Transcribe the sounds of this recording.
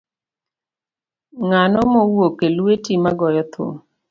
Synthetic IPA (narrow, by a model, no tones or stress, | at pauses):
ŋanɔmowokelwetimaɡɔjɔt̪ʰo̰